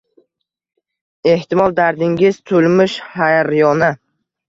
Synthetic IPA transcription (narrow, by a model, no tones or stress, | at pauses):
e̞ht̪ʰɪmɒlˠd̪aɾd̪ɪŋɡʲɪz̥t̪ʰolmɪʃhajɾjɒna